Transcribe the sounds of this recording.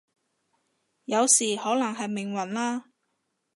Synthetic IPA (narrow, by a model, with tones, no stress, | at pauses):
jɐ˨˧wsiː˨˩hɔː˨˥lɐ˨˩ŋɦɐ˨jmɪ˨˩ŋwɐ˨˩nlaː˥